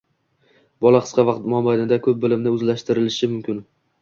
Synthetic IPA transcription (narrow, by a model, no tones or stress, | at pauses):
bɒlˠaqʰɨ̥sqʰɑvɑqt̪mɒmbanɪd̪akʰɵp̚bɪlɪmnɪɵzlaʃt̪ɪɾɪlɪʃɪmʊmkʲʰɪn